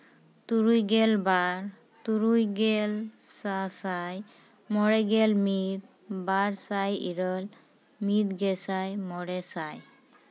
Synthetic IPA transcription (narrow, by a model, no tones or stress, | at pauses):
t̪uɾujɡɛlbaɾ | t̪uɾujɡɛlsasaj | mɔɾɛɡɛlmit̪̚ | baɾsajḭɾɔl | mit̪ɡɛsajmɔɾɛsaj